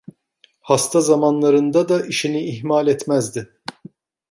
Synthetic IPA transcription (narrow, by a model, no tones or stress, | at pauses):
hast̪ʰazamanlˠaɾɯnd̪ad̪aʔiʃiniːɦmalʲɛt̪mæzd̪ɪ